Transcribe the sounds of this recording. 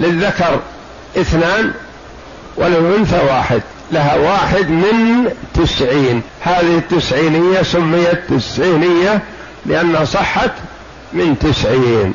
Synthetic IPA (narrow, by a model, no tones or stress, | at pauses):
lɪðːakɑɾˤ | ʔɪθnaːn | wɪlɪlʔʊnθawaːħɪd̪ | laɦawaːħɪd̪mɪnt̪ɪsʕiːn | haːðɪhɪt̪ːɪsʕiːnɪjːasʊmːɪjːat̪ːɪsʕiːnɪjːa | lɪʔanːhasˤɨħːɑt̪ | mɪnt̪ɪsʕiːn